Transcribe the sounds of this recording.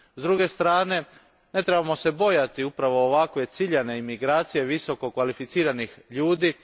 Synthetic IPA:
zd̪ɾuɡe̞st̪ɾaːne̞ | ne̞t̪ɾebamo̞se̞bo̞jat̪iupɾaʋo̞ːʋakʋe̞t̪siʎane̞imiɡɾaːt̪sije̞ʋiso̞ko̞kʋalifit̪siːɾanixʎuːd̪iː

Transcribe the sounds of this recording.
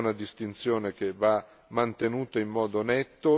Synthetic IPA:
nad̪ist̪int̪sjoːnek̟eva | mant̪enuːt̪aimːɔːd̪onɛtt̪ːo

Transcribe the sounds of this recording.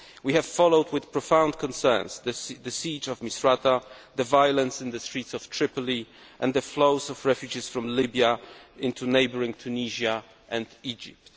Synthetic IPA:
wihɛv̥fɔloʊdwɨðpɹɔfãʊ̃nd̚kʰɔ̃nsɛ̰˞nsðəðɨsid͡ʒɔvmisɹat̪aðəvajɔlə̃nsɨ̃nðəstɹ̥itsɔvtʰɹɪpɔli | ʔɛ̃nd̪ðəfloʊzɔvɹɛfjud͡ʒisfɹɔ̃mlɪbjaʔɪ̃nt̪ʰuneɪbəɹĩŋt̪ʰuniʒa | ʔɛ̃ndid͡ʒɪ̰p̚t̪

